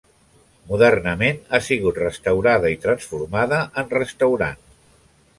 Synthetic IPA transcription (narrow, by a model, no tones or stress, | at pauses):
muðərnəmenasiɣ̞ut̪rəst̪əwɾaðəit̪ɾənsfuɾmaðəʔənrəst̪əwɾa̰n